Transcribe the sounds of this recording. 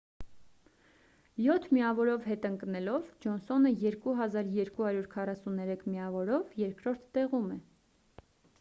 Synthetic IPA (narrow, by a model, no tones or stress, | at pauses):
jɔt̪ʰmiɑvɔɾɔvɦɛt̪əŋknɛlɔvd͡ʒɔnsɔnəjɛɾkuɦɑzɑɾjɛɾkuhɑɾjuɾkʰɑrɑsunɛɾɛkʰmiɑvɔɾɔvjɛɾkɾɔɾt̪ʰːɛʁumɛ